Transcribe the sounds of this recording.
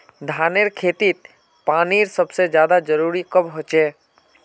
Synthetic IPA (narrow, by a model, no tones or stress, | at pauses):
d̪ʱaːneɾkʰeːt̪it̪ | paːniɾsəbsed͡ʒjaːd̪ad͡ʒəɾuːɾikəbɦoːt͡ʃeː